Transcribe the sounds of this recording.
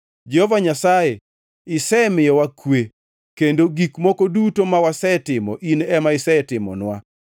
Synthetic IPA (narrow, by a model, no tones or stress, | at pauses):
d͡ʒɛhovaɲasaje | ɪsɛmɪjɔwakwe | kendoɡikmɔkodutomawasɛtɪmɔ̰ʔinɛmaɪsɛɛtɪmɔ̰nwa̰